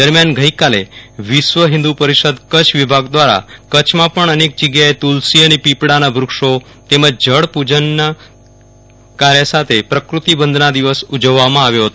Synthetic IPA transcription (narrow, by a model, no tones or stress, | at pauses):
d̪əɾmjanɡʱəikaleʋɪʃʋəɦɪ̃nd̪upəɾiʃəd̪kət͡ʃʰʋibʱaɡd̪ʋaɾa̰kət͡ʃʰmãpəɳənek̚d͡ʒəɡjaet̪ulsiənepipɽanabʱɾʊkʂo | t̪eməd͡ʒd͡ʒəɽpud͡ʒənː | kaɾjəsat̪ʰepɾəkɾut̪ibənd̪ʱnad̪iʋəsud͡ʒəʋːamãaʋjoɦət̪oo